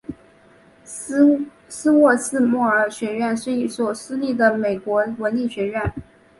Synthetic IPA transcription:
sɹ̩˥wɔ˥˧sɹ̩˥˧mɔ˥˩ə˞˨˧˥ɕɥɛ˧˥ɥɛ˥˩nswɔ˧˥i˨˥swɔ˨˩sɹ̩˥li˥˩d̪ə˩me˨˩ɪkwɔ˧˥wə˧˥nli˥˩ɕɥɛ˧˥ɥɛ˥˩n

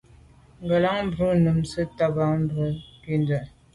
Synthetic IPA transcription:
ŋɡə˨la˦ŋm̩˦bɾu˦nə˨msə˦ta˦ba˨m̩˦bu˨˦pi˦˨ndə˨

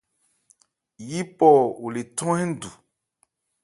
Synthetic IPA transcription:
ji˦pɔ˦wo˨le˨tɔ̃˦ɛ̃˦n̩˦˨du˨

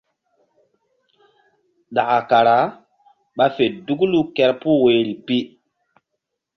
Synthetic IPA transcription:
ɗa˨ʔa˨ka˨ɾa˨˦ | ɓa˦fe˨du˦ɡlu˦kɛ˦ɾpu˦we˨ɾi˨pi˦

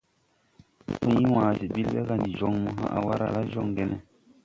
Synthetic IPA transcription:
tu˦ŋi˦wã˨zi˨bi˦lwɛ˦ka˦˨ndi˨d͡ʒɔ˦˨ŋmɔ˦ɦã̰˦ʔa̰˨wa˦ɾa̰˨la˦ʒɔ˦˨ŋ˨ɡɛ˦nɛ˨

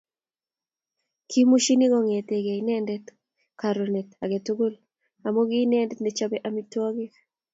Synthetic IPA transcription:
kʰi˦mu˦ʃi˦ni˦ɡɔ˦˨ŋe˨te˨ɡe˨i˨nɛ˦ndɛ˦t | ka˨ɾo˨ne˨ta˨ɡe˨to˦ɡo˦l | a˨mo˦ɡɪ˦nɛ˦ndɛ˦tnde˨t͡ʃa˦bɛ˦ʔami˦twɔ˦ɡɪ˦

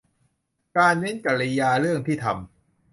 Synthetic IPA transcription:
kaː˧nme˦˥nka˨˩ɾi˧jaː˧ɾɯ˥˩əŋt̪ʰiː˥˩t̪ʰa̰˧m

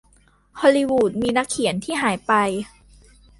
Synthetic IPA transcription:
hʰɔː˧li˧wuː˨˩t̪̚miː˧na˦˥kʰːi˨˩˦ənt̪ʰiː˥˩ɦaː˩˦jpa˧j

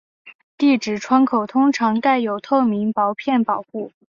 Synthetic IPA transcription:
t̪i˥˩ʈ͡ʂɻ̩˨˩ʈ͡ʂʰwa˥nkʰo˨˩ʊt̪ʰʊ˥ŋʈ͡ʂʰɑ˧˥ŋka˥˩ɪjo˨˩ʊt̪ʰo˥˩ʊmi˧˥ŋpɑ˧˥ʊpʰjɛ˥˩npɑ˨˩ʊxu˥˩

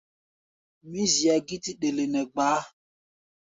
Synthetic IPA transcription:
mi˦zi˨a˨ɡi˦ti˦ɗe˨le˨nɛ˨ɡ͡baː˨˦

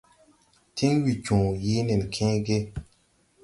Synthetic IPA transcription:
tʰi˦ŋwi˨t͡ʃũː˨ji˨˦ni˨n˨kʰẽ˦ɡe˦

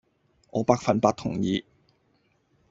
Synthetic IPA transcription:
ʔɔ̰ː˨˥paː˧k̚fɐ˨˧npaː˧t̚t̪ʰʊ˨˩ŋjiː˨˧

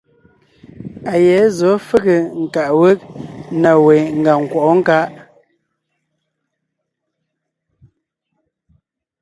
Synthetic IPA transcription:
a˨jɛ˨˦zɔ˨˦fɨ˦ɣə˨ŋ̩˨ka˨ʔwe˦k̚na˨we˨ŋ̩˨ɡa˨ŋ̩˨kwɔ˨ʔɔ˦ŋ̩˦ka˦ʔ

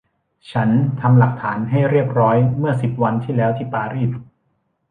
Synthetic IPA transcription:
t͡ɕʰa˦˥nt̪ʰa˧mla˨˩k̚t̪ʰaː˩˦nɦa˥˩jɾi˥˩əp̚ɾɔː˦˥jmɯ˥˩ɐsi˨˩p̚wa˧nt̪ʰiː˥˩lɛː˦˥wt̪ʰiː˥˩paː˧ɾiː˥˩s̚

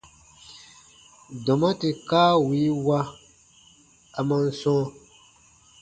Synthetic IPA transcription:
dɔ˨mã˦te˨kaː˦wi˨˦wa˦ | a˨mã˦n̩˦sɔ̃ː˦

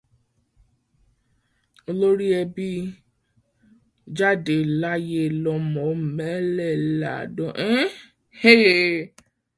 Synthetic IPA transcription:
o˧lo˦ɾi˦ɛ˧bi˦ | d͡ʒa˦de˨la˦je˦lɔ˧mɔ̃˨˦m̩˨mɛ˦lɛ˦˨la̰˨dɔ̃˦˨ʔe˦ | e˦˨

